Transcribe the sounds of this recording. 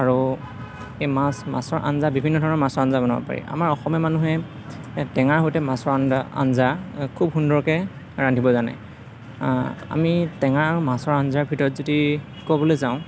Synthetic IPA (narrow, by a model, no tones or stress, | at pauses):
aɹu | ejmasma̰sɔɹʔa̰nzabibʱinːɔdʱɔɹɔnɔɹmasɔɹanzabɔnabɔ̰pa̰ɹḭʔa̰maɹɔxɔmjɔmanuɦɛ | tɛŋaɹɦojtɛmasɔɹana̰nzakʰubxundɔɹkɛ | ɹandʱibɔzana̰ | a̰mitɛŋaɹaɹumasɔɹanzaɹbʱitɔɹɔtzodi | kobɔlojzaʊ̃